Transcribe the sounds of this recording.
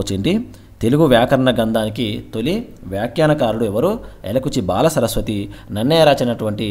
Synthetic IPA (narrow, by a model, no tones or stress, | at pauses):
t͡ʃeɳɖi | t̪e̞luɡuʋjaːkɐɾɐɳɐɡɐnd̪aːnikit̪oliʋjaːkjaːnɐkaːɾuɽuɛʋɐɾuɛ̰lɐkut͡ʃibaːlɐsɐɾɐsʋɐt̪inɐnːɐːɾaːt͡ʃinɐʈuʋɐɳʈi